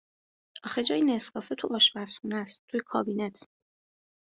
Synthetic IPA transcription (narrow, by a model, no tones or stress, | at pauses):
ɒxed͡ʒɒːjine̞skɒːfet̪ʰuʔɒːʃbæsxunæst̪t̪ʰːujekʰɒːbiːnet̪ʰ